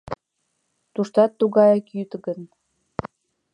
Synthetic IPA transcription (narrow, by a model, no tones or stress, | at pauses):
t̪uʃt̪ɑt̪ːuɣɑjɑkjyt̪əɡən